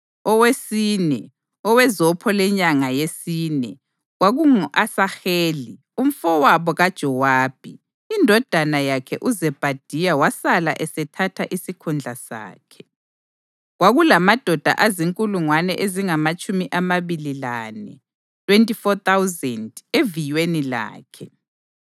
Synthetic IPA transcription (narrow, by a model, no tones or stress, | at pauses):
ɔwesiːnɛ | ɔwɛzɔpʰɔlɛɲaŋajesiːnɛ | ɣwaɣuŋuʔasaxeːli | um̩fɔwaβɔɣad̥ʒ̥ʱɔwaːb̥ʱi | indʱɔd̥ʱanajakʰɛʔuzɛb̥ʱad̥ʱijawasalaʔɛsɛtʰatʰaʔisikʰund͡ɮʱasa̰ːkʰɛ̥ | ɣwaɣulamad̥ʱɔd̥ʱa̰ʔaziŋkʼuluŋwanɛ̰ʔeziŋamat͡ʃʼumiʔamaβililanɛ̰ | tʰʼwentʼifɔt̪awzɛndevijwenila̰ːkʰɛ